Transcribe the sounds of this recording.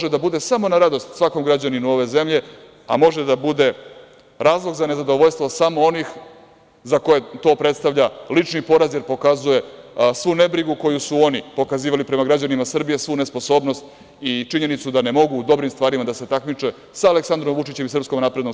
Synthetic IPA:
ʒed̪abud̪e̞samo̞naɾad̪o̞st̪sʋako̞mɡɾad͡ʑaninuo̞ʋe̞ze̞mʎe̞ | a̰mo̞ʒed̪abud̪e̞ | ɾaːzlˠo̞ɡzane̞zad̪o̞ʋoʎst̪ʋo̞samoo̞nix | zako̞jet̪o̞ːpɾe̞t̪st̪avʎalit͡ʂnipo̞ɾazjeɾpo̞kazuje̞sʋune̞bɾiɡuko̞jusuo̞nipo̞kaziːʋalipɾe̞maɡɾad͡ʑanimasr̩bije̞sʋune̞spo̞so̞ːbno̞st̪ | it͡ʃiɲe̞nit̪sud̪ane̞mo̞ɡuːd̪o̞bɾimst̪ʋaːɾimad̪ase̞t̪akmit͡ʂe | saːle̞ksand̪ɾo̞mʋut͡ʂit͡ɕe̞misr̩psko̞mnaːpɾed̪no

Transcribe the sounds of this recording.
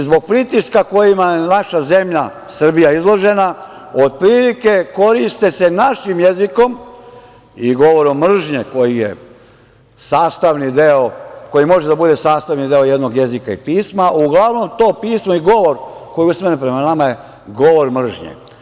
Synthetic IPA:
zbo̞ɡ̚pɾit̪iskako̞jimajenaʃaze̞mʎa | sr̩bijaizlˠo̞ʒe̞na | o̞d̪̚pɾiːlike̞ko̞ɾist̪ese̞naʃimjeziko̞m | iɡo̞ʋo̞ɾomːr̩ʒɲeko̞jijḛ | saːst̪aʋnid̪eoko̞jimo̞ʒed̪abud̪e̞saːst̪aʋnid̪eo̞jed̪no̞ɡje̞zikaḭpiːsmauɡlˠaʋno̞mt̪o̞ːpiːsmo̞iɡo̞ʋo̞ɾko̞jiusmenepɾe̞manamaje̞ | ɡo̞ʋo̞ɾmr̩ʒɲḛ

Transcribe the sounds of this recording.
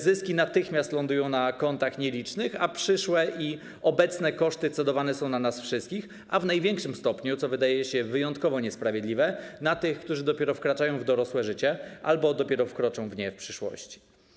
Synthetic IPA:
zɘskʲinat̪ɘxmʲjast̪lɔnd̪ujɔ̃w̃nakɔnt̪axɲɛlʲit͡ʂnɘxapʂɘʂwɛʔi | ɔbɛt̪snɛkɔʂt̪ɘt̪sɛd̪ɔvanɛsɔ̃w̃nanasfʂɘst̪kʲix | avnajvʲjɛŋkʂɘmst̪ɔpɲut̪sɔvɘd̪ajɛɕɛvɘjɔnt̪kɔvɔɲɛspɾavʲjɛd̪lʲivɛnat̪ɘxkt̪uʐɘd̪ɔpʲɛɾɔfkɾat͡ʂajɔ̃w̃vd̪ɔɾɔswɛʐɘt͡ɕɛʔalbɔd̪ɔpʲjɛɾɔfkɾɔt͡ʂɔ̃w̃vɲɛfpʂɘʂwɔ̰ɕt͡ɕi̥

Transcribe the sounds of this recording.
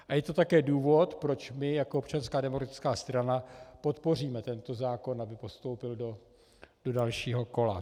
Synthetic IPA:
ʔajɛt̪o̞t̪akɛːduːvo̞t̪pɾo̞t͡ʃmɪjakoopt͡ʃanskaːdɛmokɾat̪ɪ̥t͡skaːst̪ɾanapo̞t̪po̞r̝iːmɛt̪ɛnt̪o̞zaːko̞nabɪpo̞st̪o̞wpɪldo̞ | d̥o̞dalʃiːɦo̞ko̞la̰

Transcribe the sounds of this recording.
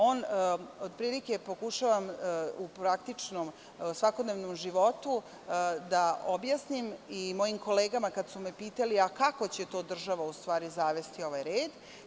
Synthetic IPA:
o̞ːno̞d̪pɾiːlike̞po̞kuʃaʋamupɾak̚t̪it͡ʂnom | sʋako̞d̪neʋnomʒiʋo̞t̪u | d̪aobjasnimimo̞jimko̞leːɡamakad̪sumepiːt̪aliakako̞t͡ɕe̞t̪o̞ːd̪r̩ʒaʋaust̪ʋaːɾizaːʋe̞st̪io̞ʋajɾeːd̪

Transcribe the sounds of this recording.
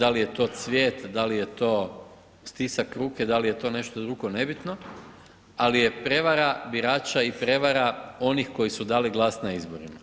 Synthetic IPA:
d̪alije̞t̪o̞t̪sʋje̞ːt̪d̪alijet̪o̞ː | st̪isakɾuːke̞d̪alije̞t̪o̞ne̞ʃt̪od̪ɾuɡo̞ne̞bit̪no̞ | alije̞pɾe̞ʋaɾabiɾaːt͡ʃaipɾe̞ʋaɾao̞nixko̞jisud̪aːliɡlˠasnaizboɾima

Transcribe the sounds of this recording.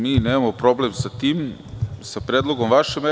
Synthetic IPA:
miːneːmamopɾo̞blemsat̪iːmsapɾed̪lˠoɡomʋaʃeme

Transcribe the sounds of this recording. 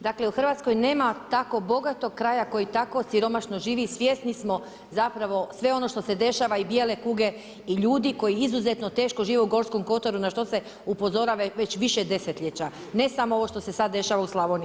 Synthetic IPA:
d̪akle̞uxr̩ʋaːt̪sko̞jne̞ːmat̪ako̞bo̞ɡat̪o̞ɡ̚kːɾajako̞jit̪ako̞siɾo̞maʃno̞ʒiːʋisʋjest̪nismo̞ | zapɾaʋo̞sʋe̞o̞no̞ʃt̪o̞se̞d̪e̞ʃaʋaibjelekuːɡe̞ | iʎuːd̪iko̞jiizuzet̪not̪e̞ːʃkoʒiːʋeuɡo̞ɾsko̞mko̞t̪oɾunaʃt̪o̞se̞ | upo̞zo̞ɾaʋeʋe̞t͡ɕʋiʃed̪e̞set̪lʎet͡ɕa | ne̞samoo̞ʋo̞ʃt̪o̞se̞sad̪ːe̞ʃaʋauslˠaʋoni

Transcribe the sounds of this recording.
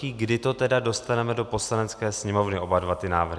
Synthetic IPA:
iːɡdɪt̪o̞t̪ɛdado̞st̪anɛmɛdo̞po̞slanɛt͡skɛːsɲɛmo̞vnɪo̞badvat̪ɪnaːvr̩ɦ

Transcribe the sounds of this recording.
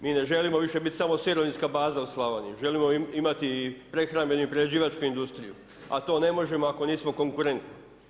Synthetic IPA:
miːne̞ʒe̞limo̞ʋiʃe̞bit̪samo̞siɾoʋinskabaːzauslˠaʋanḭʒe̞limo̞imat̪ipɾe̞xɾambe̞nuipɾeed͡ʑiːʋat͡ʃkuind̪ust̪ɾijṵ | a̰t̪o̞ːne̞mo̞ʒe̞mo̞ako̞niːsmo̞ko̞ŋkuɾe̞nt̪ni

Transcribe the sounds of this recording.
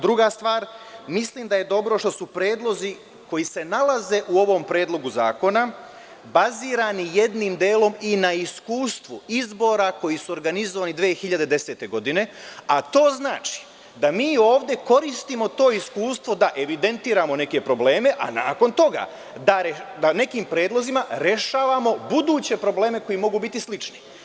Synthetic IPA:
d̪ɾuɡast̪ʋaːɾmisliːmd̪aje̞d̪o̞bɾo̞ʃt̪o̞supɾe̞ːd̪lˠo̞zi | ko̞jise̞nalaze̞ʔuo̞ʋo̞mpɾe̞ːd̪lo̞ɡuza̰ːko̞na | baziːɾanije̞d̪nimd̪eːlo̞minaiskuːst̪ʋuizbo̞ːɾako̞jisuo̞ɾɡanizoʋaːnid̪ʋeeːxiʎad̪e̞d̪e̞se̞ːt̪e̞ɡo̞d̪ine̞at̪o̞ːznaːt͡ʃi̥ | d̪amiːo̞ːʋd̪je̞ko̞ɾist̪imo̞t̪o̞ːiskuːst̪ʋo̞d̪aʔe̞ʋid̪e̞nt̪iːɾamo̞ne̞ke̞pɾo̞ble̞ːme̞ʔa̰na̰ːko̞nt̪o̞ɡa̰ | d̪aɾed̪ane̞kiːmpɾe̞ːd̪lˠo̞zimaɾe̞ʃaːʋamo̞bud̪uːt͡ɕe̞pɾo̞ble̞ːme̞ko̞jimo̞ɡubit̪islit͡ʃni̥

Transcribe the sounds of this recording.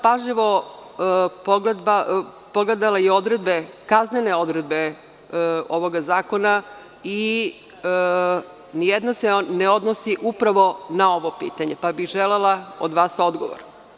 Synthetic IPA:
paʒʎiʋo̞ | poɡled̪ba | poɡle̞d̪alajeo̞d̪ɾe̞d̪be̞kazneneo̞d̪ɾed̪be | o̞ʋo̞ɡazaːko̞na | i | nijed̪naseneod̪nosiʔupɾaʋo̞nao̞ʋo̞pḭːt̪aɲepabiɣʒelelˠao̰d̪ʋaːso̞d̪ɡo̰ʋo̰ɾ

